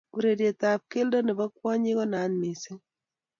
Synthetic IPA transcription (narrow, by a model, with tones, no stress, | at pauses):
u˨ɾe˨dje˨ta˨p̚ke˦ldɔ˦ne˨bɔ˦kwɔ˦ɲi˦kɔ˦na˨˦nmi˨sɪ˦ŋ